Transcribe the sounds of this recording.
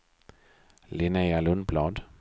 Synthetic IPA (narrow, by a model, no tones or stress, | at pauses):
lɪnealɵnblɑːd̪